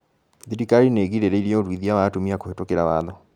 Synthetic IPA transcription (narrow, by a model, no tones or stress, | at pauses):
ðiɾikaɾineɣiɾeɾeiɾiɔoɾwiðiawaːtomiakohetokeɾawaːðɔ